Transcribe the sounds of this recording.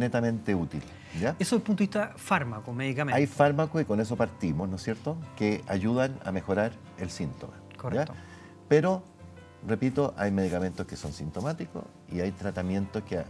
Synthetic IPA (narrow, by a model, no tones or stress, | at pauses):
net̪amẽ̞nt̪e̞ut̪il | ɟ͡ʝaesoðelpunt̪oi̥t̪afaɾmakomeðikamẽajfaɾmakosiko̞nes̬o̞paɾt̪imosnosje̞ɾt̪okeaʝuðana̰me̞xo̞ɾaɾ | elsint̪o̞̰ma | korja | peɾo | repit̪oʔajme̞ð̞ikame̞nt̪oskeso̞nsint̪o̞mat̪iko̰s | iajt̪ɾat̪amje̞nt̪o̞skea̰